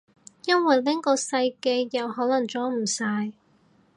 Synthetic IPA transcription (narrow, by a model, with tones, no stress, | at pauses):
jɐ˥nwɐ˨jlɪ˥ŋkɔː˧sɐ˧jke˧jːɐ˨˧whɔː˨˥lɐ˨˩ŋt͡ʃt͡sɔː˨˥m̩˨˩saː˧j